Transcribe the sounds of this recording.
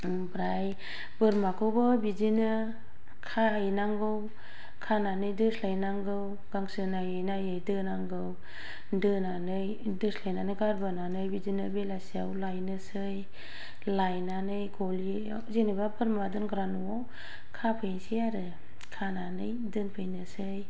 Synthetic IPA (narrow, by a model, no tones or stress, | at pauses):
bɾaj | bɯɾmakʰɯwbɯbid͡ʒinɯ | kʰainaŋɡɯw | kʰananɯjdɯslajnaŋɡɯw | ɡ̥aŋsɯnajɯjnajɯjdɯnaŋɡɯw | dɯnanɯj | dɯslajnanɯjɡaɾbɯnanɯjbid͡ʒinɯbelasiawlajnɯsɯj | lajnanɯjɡʰɔli | zenɯbabɯɾmadɯnɡɾanuwɔw | kʰapʰɯjnsijaɾɯ | kʰananɯjdɯnpʰɯjnɯsɯj